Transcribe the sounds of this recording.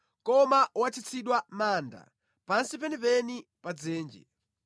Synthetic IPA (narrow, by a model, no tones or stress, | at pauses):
kɔmawat͡ʃʰit͡sʰiɗwamaːnda̰ | pansip̬ɛnipɛnipad͡zɛːnd͡ʒɛ̰